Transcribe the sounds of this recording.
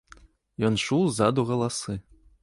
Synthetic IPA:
jɔnʃuwzad̪uɣɐlˠasɨ

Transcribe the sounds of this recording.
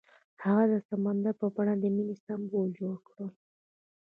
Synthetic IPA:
haɣad̪əsamand̪aɾpəbaɳad̪əminist̪ambold͡ʒoɽkɽə

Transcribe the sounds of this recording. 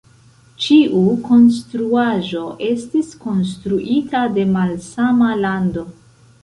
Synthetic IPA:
t͡ʃiʔuko̞nstɾuaʒo̞ʔe̞stisko̞nstɾuʔitade̞malsamalando̞

